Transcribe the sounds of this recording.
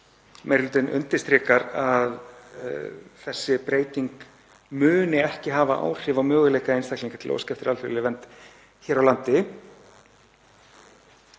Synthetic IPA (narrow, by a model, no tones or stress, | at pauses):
mejɾlʏt̪ɪnʔʏ̰nt̪ɪst̪ɾɪkaɾað | θɛsːɪpɾeːjt̪iŋk | mʏːnɪɛhcɪɦaːvaʔa̰ːwr̥ɪːvawmœːɣʏlejkaejnst̪akliŋkat̪ʰɪlo̰wscɛft̪ɪɾalθfʏlːɪvɛnt̪ | çɛːɾawlant̪ɪ